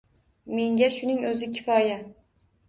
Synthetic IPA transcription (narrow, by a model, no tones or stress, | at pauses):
me̞ŋɡʲaʃʊnɪŋɵzɪkʲʰɪfɒja